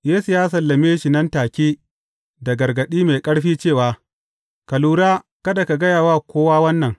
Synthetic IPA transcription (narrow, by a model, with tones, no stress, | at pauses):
jeː˦su˨jaː˦sɐ˨lːɐ˨meː˦ʃi˨nɐ˦ntaː˨kʲiː˦ | da˨ɡɐ˨ɾɡɐ˨ɗiː˦meː˨kʼɐ˦ɽɸiː˦t͡ʃeː˦˨waː˨ | kɐ˨luː˨ɾaː˦kɐ˦da˨ka˨ɡɐ˦jaː˨waː˦kʷoː˦waː˦wɐ˦nːɐ˨ŋ